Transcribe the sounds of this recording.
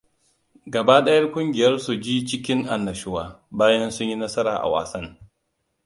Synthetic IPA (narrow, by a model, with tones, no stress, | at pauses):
ɡɐ˨baː˦ɗɐ˦jɐ˦rkʷʼʊ˦ŋɡʲɪ˨jɐ˦rsu˨d͡ʒiː˦t͡ʃɪ˦kʲɪ˦ŋʔa˨nːɐ˨ʃʊ˦waː˦˨ | baː˦jɐ˦nsʊ˦ɲji˦nɐ˦sɐ˦ɾaː˨ʔa̰˨wa̰ː˨sɐ˦ŋ